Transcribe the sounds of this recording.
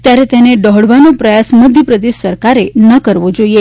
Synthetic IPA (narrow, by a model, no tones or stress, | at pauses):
t̪jaɾet̪eneɖɔɦɽʋanõpɾəjasməd̪ʱjəpɾəd̪eʃsəɾkaɾenəkəɾʋõd͡ʒoie